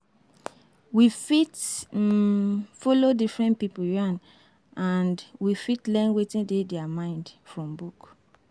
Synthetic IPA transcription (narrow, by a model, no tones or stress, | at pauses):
wifit | fɔlodifɹɛ̃nt̚pipuɹãn | ãndwifitlɛ̃nwetĩndedɛamãɪ̃ndfɹɔ̃mbuk